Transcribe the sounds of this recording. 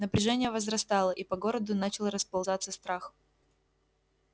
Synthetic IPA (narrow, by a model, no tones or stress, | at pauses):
nəpɾʲɪʐɛnʲɪjəvəzrɐst̪ɑlˠəʔipɐɡo̞ɾəd̪ʊnat͡ɕɪlˠɾəspɐlˠzat̪sːəst̪ɾax